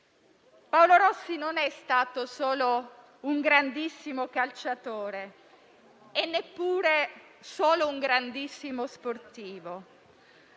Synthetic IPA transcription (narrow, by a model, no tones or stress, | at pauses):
paoloɾɔsːinonɛst̪aːt̪osoːlo | uŋɡɾand̪isːimokalt͡ʃat̪oːɾe | enːepːuːɾe | soːlouŋɡɾand̪isːimosport̪iːvo